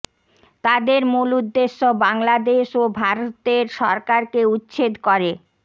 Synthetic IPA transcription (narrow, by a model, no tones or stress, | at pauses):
t̪ad̪eɾmulud̪ːeʃːobaŋlad̪eʃobʱaɾot̪eɾʃɔ̰ɾkaɾkeut̪ːɕʰed̪koɾe